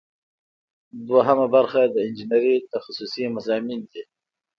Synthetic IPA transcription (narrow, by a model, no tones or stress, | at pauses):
d̪waɦamabaɾxad̪əɪnd͡ʒinɾit̪axasusimazɑːmind̪i